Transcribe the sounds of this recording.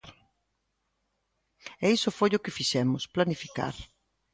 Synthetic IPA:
ɛisʊfojʊkɪfiʃɛmʊsplanifika̰ɾ

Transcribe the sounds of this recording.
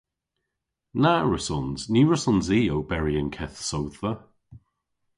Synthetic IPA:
naɹəsɔnzniːɹəsɔnziːowbɛɹiənkʰɛθsowðə

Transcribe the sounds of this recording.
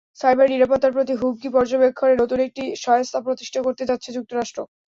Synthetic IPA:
sajbaɾniɾapot̪ːaɾpɾot̪iɦub̚ɡipɔɾd͡ʑobekʰːoɾenot̪unek̚ʈiʃɔjost̪ʰapɾot̪i̥ʃʈʰakoɾt̪ed͡ʑatːɕʰed͡ʑuk̚t̪oɾaʃʈɾo

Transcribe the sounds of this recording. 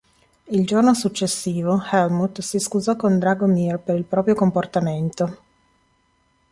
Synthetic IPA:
ild͡ʒornosut͡ʃːesːiːvohɛlmut̪siskuzɔkːond̪ɾaɡomirpeɾilpɾɔːpɾjokomport̪ament̪o

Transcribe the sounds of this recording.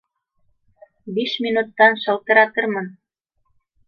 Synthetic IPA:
biʃminut̪ːɑnʃɤ̆lt̪ɤ̆ɾɑt̪ɤ̆rmɤ̆n

